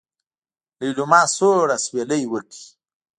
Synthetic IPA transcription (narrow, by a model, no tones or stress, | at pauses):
lijlumɑːsoɽasweləjwəki̥